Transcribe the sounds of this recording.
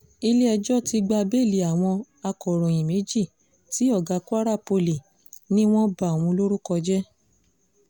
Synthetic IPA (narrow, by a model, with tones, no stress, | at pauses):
i˧le˦ɛ˧d͡ʒɔ˦˨ti˧ɡ͡ba˧be˦˨li˨a˨w̃ɔ̃˧ | a˧kɔ˨ɾɔ̃˨j̃ĩ˨me˨˦d͡ʒi˦˨ | ti˨˦ɔ˦˨ɡa˨˧˦ku˦a˦ɾa˦˨po˧li˨ | nĩ˦w̃ɔ̃˦ba˨w̃ũ˧lo˦ɾu˦kɔ˧d͡ʒɛ˦